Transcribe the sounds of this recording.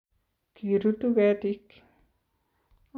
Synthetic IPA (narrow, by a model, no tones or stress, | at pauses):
kiɾut̪ubɛt̪ik